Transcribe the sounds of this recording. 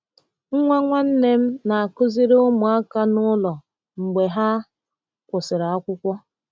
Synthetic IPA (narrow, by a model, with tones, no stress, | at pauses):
ŋ̩˦ŋʷa˦ŋʷa˦n̩˦ne˦m̩˦na˨a˨kʊ˦zi˦ɾʊ˦mu˨a˦ka˦nʊ˦lɔ˨ | ŋ͡m̩˨ɡ͡be˨ɦa˦ | kʷʊ˨sɪ˨ɾa˦kʷʊ˦kʷɔ˦